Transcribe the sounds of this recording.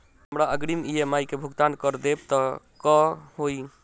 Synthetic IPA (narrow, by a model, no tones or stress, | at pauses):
ɦəmɾaəɡɾimijemajkebʱuɡt̪ankəɾd̪eb̚t̪ɔ | kɔɦoi